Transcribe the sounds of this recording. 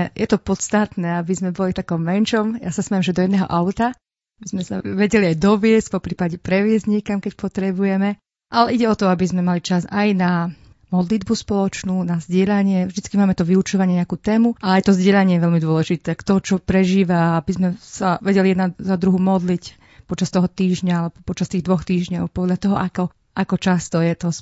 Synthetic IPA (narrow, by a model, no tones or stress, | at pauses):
jʔɛt̪ɔpɔt̪st̪at̪nɛːabizmɛbɔlift̪akɔmːɛnʃɔmjasasmɛjɛmʒɛd̪ɔjɛd̪nɛːɦɔ̰ʔaʊt̪a | bizmɛsa̰ʋɛɟɛliajd̪ɔʋɪɛscpɔpɾiːpaɟɛpɾɛʋɪɛzɲikamkɛcpɔt̪ɾɛbujɛmɛ | ʔalɛʔiɟɛɔt̪ɔabizmɛmalit͡ʃazajna | mɔd̪lid̪buspɔlɔt͡ʃnuːnazɟɪɛʎaɲɪɛvʒd̪it͡skimaːmɛt̪ɔʋiut͡ʃɔʋaɲɪɛɲɛakuːt̪ɛːmuʔalɛajt̪ɔzɟɪɛʎaɲɪɛjɛʋɛʎmid̪ʊɔlɛʒit̪ɛakt̪ɔt͡ʃɔpɾɛʒiːʋaabizmɛsaʋɛɟɛlijɛd̪nazad̪ɾuɦuːmɔd̪lic | pɔt͡ʃast̪ɔɦɔt̪iːʒɲaalɛbɔpɔt͡ʃast̪iːɣd̪ʋɔxt̪iːʒɲɔʊpɔd̪ʎat̪ɔɦɔʔakɔ | ʔakɔt͡ʃast̪ɔjɛt̪ɔs